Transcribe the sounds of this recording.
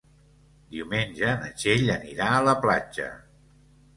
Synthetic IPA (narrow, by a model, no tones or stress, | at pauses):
d̪iwmenʲʒənə̰ʒeʎəniɾaələplad͡ʒə̰